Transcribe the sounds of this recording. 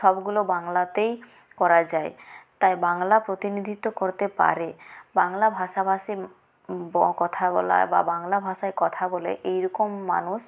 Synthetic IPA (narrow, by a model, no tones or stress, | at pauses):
ʃɔbɡulobaŋlat̪ej | kɔɾad͡ʑaet̪ajbaŋlapɾot̪inid̪ʱit̪ːokoɾt̪epa̰ɾebaŋlabʱaʃabʱaʃi | bɔkɔt̪ʰabɔ̰la̰ba̰baŋlabʱaʃaekɔt̪ʰabɔlḛʔejɾɔkomːa̰nuʃ